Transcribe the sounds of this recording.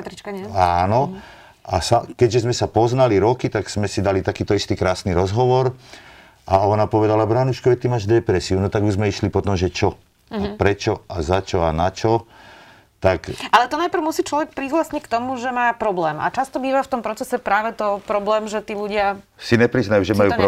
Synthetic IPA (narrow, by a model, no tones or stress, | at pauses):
at̪ɾit͡ʃkaɲɛaːnɔ | ʔasakɛɟʒɛzmɛsapɔznaliɾɔkit̪aɡz̥mɛsid̪alit̪akiːt̪ɔist̪iːkɾaːsniɾɔzɦɔʋɔɾ | aɔnapɔʋɛd̪alabɾanuʃkɔʋɛt̪imaːʒd̪ɛpɾɛsiunɔt̪aɡuʒzmɛiʃlipɔt̪ɔmʒɛt͡ʃɔ | apɾɛt͡ʃɔazat͡ʃɔanat͡ʃɔ | t̪akʔalɛt̪ɔnajpr̩ʊmusiːt͡ʃlɔʋɛk̚pɾizlasɲɛckt̪ɔmuʒɛmaːpɾɔblɛːma̰t͡ʃast̪ɔbiːʋaft̪ɔmpɾɔt͡sɛsɛpɾaːʋɛt̪ɔpɾɔblɛːmʒɛt̪iːluɟɪasinɛpɾiznajuʒɛmajupɾ